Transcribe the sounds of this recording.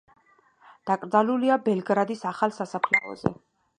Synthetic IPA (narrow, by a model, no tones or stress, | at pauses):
d̪̥akʼɾd̪zaluliabɛlˠɡɾad̪isaχalˠsasapʰlɛɔ̰zɛ̰